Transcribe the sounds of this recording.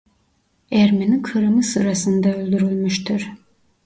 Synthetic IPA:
æɾmenikʰɯɾɯmɯsɯɾasɯnd̪aølʲd̪yɾylʲmyʃt̪ʰiɾ̥

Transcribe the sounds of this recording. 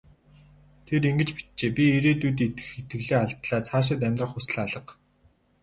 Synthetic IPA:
t̪ʰeɾiŋɡɘ̆t͡ɕpi̥t̪̚t͡ɕeːpʲieɾeːt̪uːt̪̬ːit̪ɘ̥̆xet̪ɡɘ̆ɣɮeːaɮt̪ɮaːt͡sʰaːʃ̬ɪ̆t̪æmʲt̪rə̆χus̆ɮaɮə̆q

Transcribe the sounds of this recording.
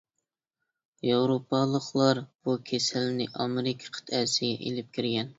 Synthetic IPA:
jɑwɾopʰːɑlˠəχlˠɑɾb̥ukʲʰesɪlnɪʔɑmɪɾɪkʲʰɛ̥qʰə̥t̪ʰɛsɪɡʲɛ̰ʔḛlɪp̚kʲʰiɾɡʲɛn

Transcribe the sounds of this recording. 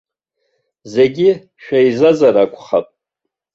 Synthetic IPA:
ze̞ɡʲi | ʃᶣaizazaɾakʷʰʼχapʼ

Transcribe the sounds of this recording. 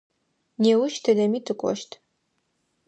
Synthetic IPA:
neːwʊʃtʰɨdɐmiːtʰɨkʷʼɔ̰ʃtʰ

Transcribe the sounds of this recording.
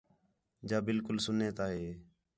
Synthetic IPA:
d͡ʒaːbɪlkʊlsʊneːt̪aːɦeː

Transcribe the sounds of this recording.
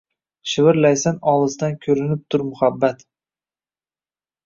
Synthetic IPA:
ʃɪvɪɾlajsanɒlˠɨzd̪ankʲʰɵɾɪnɪp̚t̪ʰʊɾmʊhabːat̪

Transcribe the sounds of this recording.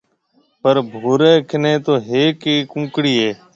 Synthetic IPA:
pəɾbʱoːɾeːkʰɪneːt̪oːɦeːkiːkũːkɽiːɦeː

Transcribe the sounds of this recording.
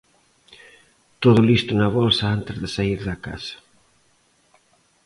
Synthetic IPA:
t̪oðʊlist̪unɐβɔlsaant̪ɪzðɪsaiɾðɐka̰sɐ̥

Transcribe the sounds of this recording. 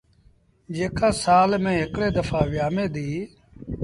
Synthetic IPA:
d͡ʒeːkaːsaːlmẽːɦɪkɽeːd̪əfʰaːʋjaːmẽːd̪iː

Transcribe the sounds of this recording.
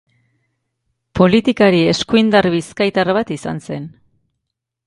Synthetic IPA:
po̞lit̪ikaɾie̞skuind̪arβiskajt̪arβat̪isa̰nse̞n

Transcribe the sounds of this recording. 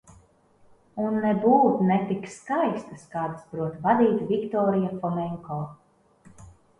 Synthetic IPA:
unːɛbuːt̪nɛt̪ikskajst̪ɐskaːd̪asbɾuɔt̪vad̪iːt̪vʲikt̪ɔːɾijafɔmɛŋkɔː

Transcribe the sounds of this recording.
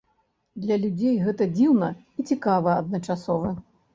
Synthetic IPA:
d̪lʲɐlʲud͡zʲejɣɛt̪ɐd͡zʲiwnɐ | it͡sʲikavɐɐd̪nɐt͡ʂasɔvɐ

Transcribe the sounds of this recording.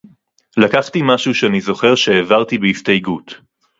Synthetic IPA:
lakaχtimaʃuʃeanizo̞χe̞ʁʃeːvaʁtibeistajɡut

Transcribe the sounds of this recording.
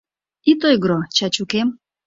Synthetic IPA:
it̪ojɡɾɔt͡ʃat͡ʃukem

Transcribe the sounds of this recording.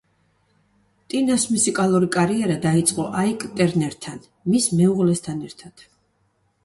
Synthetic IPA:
t̪ʼinasmusikʼalˠuɾikʼaɾiɛɾad̪ait̪sʼqʼɔʔaikʼt̪ʼɛɾnɛɾt̪ʰan | mismɛuʁlɛst̪ʰanɛɾt̪ʰad̪̥

